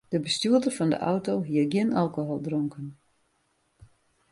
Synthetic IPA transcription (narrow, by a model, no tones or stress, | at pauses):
d̥əbəstuədərfɑndə̰ʔɔwtowɦiəɡjɪnʔalˠkoɦolˠdroŋkən